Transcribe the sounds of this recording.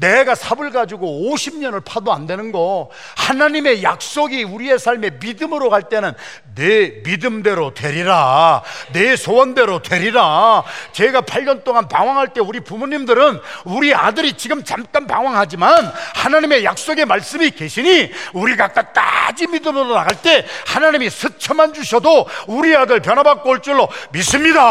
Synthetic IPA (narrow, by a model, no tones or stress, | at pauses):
ne̞ɡasʰabɯɭɡad͡ʑiɡooɕʰimɲʌnɯɭpʰadoandwe̞nɯnɡʌ | hanaɲime̞jak̚s͈oɡiuɾie̞sʰaɭme̞midɯmɯɾokaɭt͈e̞nɯnː | emidɯmde̞ɾotwe̞ɾiɾane̞sʰowʌnde̞ɾotwe̞ɾiɾat͡ɕe̞ɡapʰaʎːʌnt͈oŋanpaŋwaŋɦaɭt͈e̞uɾipumoɲimdɯɾɯnuɾia̰dɯɾit͡ɕiɡɯmt͡ɕamk͈anpa̰ŋwaŋɦad͡ʑimanhanaɲime̞jak̚s͈oɡe̞maɭs͈ɯmike̞ɕʰiɲiuɾiɡak͈at͈a̰d͡ʑimidɯmɯɾonaɡaɭt͈e̞hanaɲimisʰɯt͡ɕʰʌmand͡ʑuɕʰʌdouɾiadɯɭp̬jʌnabak̚k͈oɭt͡ɕ͈ɯɭːomis͈ɯmɲida